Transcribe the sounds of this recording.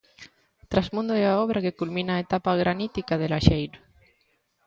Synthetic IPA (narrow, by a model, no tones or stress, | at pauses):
t̪ɾazmũnd̪oeaɔβɾʔakekulmĩnaːet̪apaɣɾanit̪ikaðelaʃejɾo